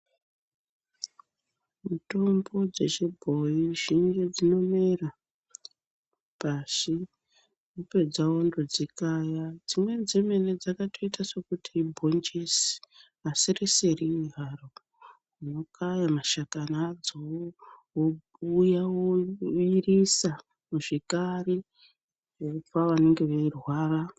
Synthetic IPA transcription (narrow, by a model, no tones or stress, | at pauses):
mito̞mbo̞d͡ze̞ʃebʱo̞iʒiŋɡe̞d͡zino̞me̞ra | pasi | nupe̞d͡zao̞ndod͡zikajad͡zimwe̞d͡zeme̞ne̞d͡zakatʰo̞itaso̞kutʰibʱo̞nd͡ʒisi̥ | asireseriiɦaro | nokʰajamaʃakanad͡zoɦo | jaoirisa | muʐekare | faʋane̞ŋɡe̞ʋeirwaːra